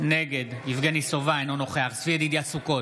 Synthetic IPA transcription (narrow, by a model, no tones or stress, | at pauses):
neɡe̞d̪ivɡenisovaenonoχeaχsvied̪id̪iasuko̞